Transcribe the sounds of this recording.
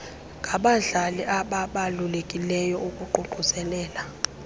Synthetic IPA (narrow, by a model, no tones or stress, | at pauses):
ŋʱaɓaɮaliʔaɓaɓalulekʼilɛjɔukʼuǃuǃusɛlɛːla